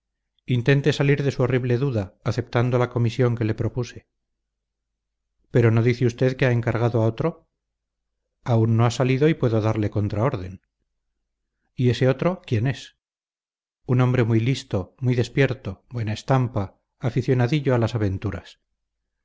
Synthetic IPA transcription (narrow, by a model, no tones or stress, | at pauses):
int̪e̞nt̪e̞saliɾðe̞suo̞riβle̞ðuðaːθe̞p̚t̪and̪o̞lako̞misjo̞ŋke̞le̞pɾo̞puse̞̥ | pe̞ɾo̞no̞ðiθeust̪e̞ðkeae̞ŋkaɾɣaðoao̞t̪ɾo̞ | aunːo̞asaliðo̞ipwe̞ðoðaɾle̞ko̞nt̪ɾao̞ɾðe̞n | ie̞se̞o̞t̪ɾo̞kje̞ne̞s | unõ̞mbɾe̞mujlist̪o̞mwijðe̞spje̞ɾt̪o̞bwe̞naest̪ampaː | fiθjo̞naðiʝo̞alasaβ̞e̞nt̪uɾa̰s